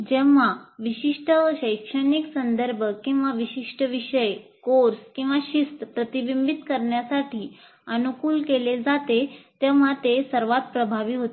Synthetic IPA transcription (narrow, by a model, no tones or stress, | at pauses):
d͡ʑɛʋaʋiɕiʂʈəɕəjkʂəniksənd̪əɾbʱəkĩw̃ʋaʋiɕiʂʈəʋiɕəjkoɾskĩw̃ʋaɕist̪əpɾət̪ibimbit̪kəɾɳjasaʈiː | ənukuːlkeled͡zat̪et̪eʋ̤at̪esəɾʋat̪̚pɾəbʱaʋiːɦot̪